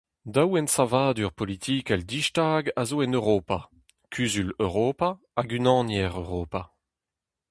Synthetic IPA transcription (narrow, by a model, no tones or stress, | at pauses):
dawɛnsavaːd̪yʁpɔlit̪ʰiːkɛld̪iʃtaːɡazoɛnøʁoːpa | kʰyːzyløʁoːpaː | ɡynɑ̃ːnjɛʁøʁoːpa